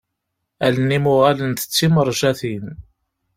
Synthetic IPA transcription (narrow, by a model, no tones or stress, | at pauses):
ælənːimʊʁælənθə̥t͡sːiməɾˤʒæθim